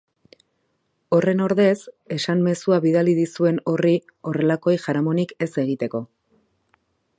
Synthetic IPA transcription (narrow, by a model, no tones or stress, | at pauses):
o̞re̞no̞ɾðe̞s | e̞samme̞suaβiðaliðisue̞no̞ri | o̞re̞lako̞jʝaɾamo̞nike̞se̞ɣ̞it̪e̞ko̞